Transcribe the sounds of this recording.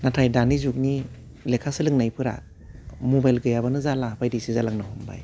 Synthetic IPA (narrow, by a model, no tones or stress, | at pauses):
natʰajdanizuk̚ni | lekʰasɯlɯŋnajpʰɯɾa̰ | mobajlɡɯjabanɯzalabajdisizalaŋnɯɦumba̰j